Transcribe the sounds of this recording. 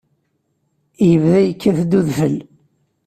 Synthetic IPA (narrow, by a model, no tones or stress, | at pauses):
jəvðæjəkːæθd̪ːuðfəl